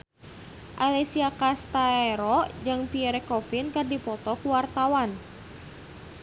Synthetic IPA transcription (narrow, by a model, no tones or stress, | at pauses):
ʔalɛsiakast̪aeɾɔd͡ʒɨŋpiɛɾɛkɔfinkɨrdipɔt̪ɔkuwart̪awan